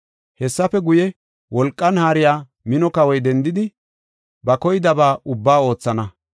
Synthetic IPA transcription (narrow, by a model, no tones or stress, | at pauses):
hɛsːɐfɛɡʊjɛ | wɔlkʼːɐnhaːɾɪjaː | mɪnɔkɐwɔjd̪ɛnd̪ɪd̪ɪ | bɐkɔjɪd̪ɐbaːʊbːaːo̞ːt͡sːɐnɐ